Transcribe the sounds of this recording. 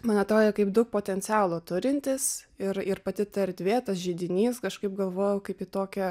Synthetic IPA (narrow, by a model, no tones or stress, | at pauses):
mɐnɐt̪ɾoːd̪ʲeːkɐɪpd̪ʊk̚poːt̪ʲɛnʲt͡sʲæːlˠuːt̪ʊɾʲɪnʲt̪ʲɪsɪɾɪɾpɐt̪ʲɪt̪ɐɛɾʲd̪ʲʋʲeːt̪ɐsʒʲiːd̪ʲɪnʲiːskɐʃkɐɪp̚ɡɐlˠʋoːjɛʊkɐɪpiːt̪oːkʲɛ